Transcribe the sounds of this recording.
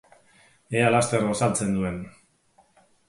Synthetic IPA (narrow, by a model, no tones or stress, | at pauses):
e̞alast̪e̞ɾɣosalt͡se̞nd̪ue̞n